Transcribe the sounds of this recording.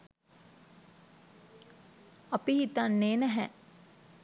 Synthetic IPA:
ɐpihit̪anːeːnɛɦɛ

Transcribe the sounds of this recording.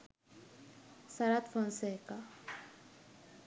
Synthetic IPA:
saɾat̪fənseka

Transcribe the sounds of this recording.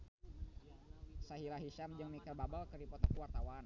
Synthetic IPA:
saɦilaɦiʃamd͡ʒəŋmikərbabəlkəripɔt̪akuwart̪awan

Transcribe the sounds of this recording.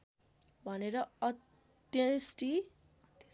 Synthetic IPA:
bʱʌneɾʌʌ | t̪jʌ̃sʈi | t̪

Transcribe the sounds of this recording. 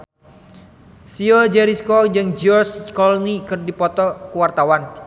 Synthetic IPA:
siod͡ʒɛɾiskɔd͡ʒɨŋd͡ʒɔrskɔlnikɨrdipɔt̪ɔkuwart̪awan

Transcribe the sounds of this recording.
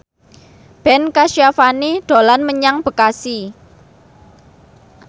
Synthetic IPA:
b̥ɛ̤nkaʃjafaniɖ̪̥o̤lanməɲaŋb̥ə̤kasi

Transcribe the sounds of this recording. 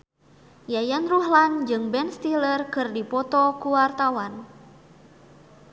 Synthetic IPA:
jajanruɦland͡ʒɨŋbɛnst̪ilərkɨrdipɔt̪ɔkuwart̪awan

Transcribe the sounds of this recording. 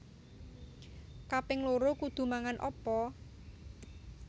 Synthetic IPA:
kapɪŋloɾokud̪̥ṳmaŋanʔɔpɔ

